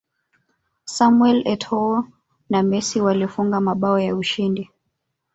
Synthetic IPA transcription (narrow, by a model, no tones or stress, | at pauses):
samwɛlɛtʰɔɔ | namɛsiwaliɔfuŋɡamaɓaɔjauʃindi